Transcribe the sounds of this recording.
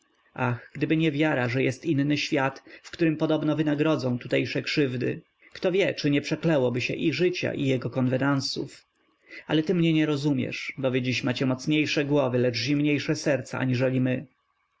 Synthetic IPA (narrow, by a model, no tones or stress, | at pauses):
axɡd̪ɘbɘɲɛvʲjaɾaʐɛjɛst̪inːɘɕfʲjat̪fkt̪uɾɘmpɔd̪ɔbnɔvɘnaɡɾɔd̪zɔ̃w̃t̪ut̪ɛjʂɛkʂɘvd̪ɘ̰ | kt̪ɔvʲjɛt͡ʂɘɲɛpʂɛklɛwɔbɘɕɛ̰ʔiʐɘt͡ɕa̰ʔijɛɡɔkɔnvɛnansṵf | alɛt̪ɘmɲɛɲɛɾɔzumʲjɛ̰ʂbɔvʲjed͡ʑiɕmat͡ɕɛmɔt̪sɲejʂɛɡwɔvɘlɛd͡ʐʑimɲejʂɛsɛɾt̪sa̰ʔa̰ɲiʐɛlʲimɘ